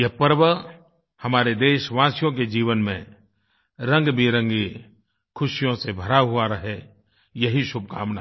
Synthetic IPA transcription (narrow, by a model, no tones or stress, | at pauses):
jɐɦpəɾʋə | hɐmaːɾed̪eːʃʋãːsjõk̬ed͡ʒiːʋənmḛ̃ | ɾə̃ŋɡbʱiɾə̃ŋɡi | kʰʊʃjõsebʱɐɾaɦʊaɾɐɦe | jɐɦiʃʊb̚ʱka̰ːmna̰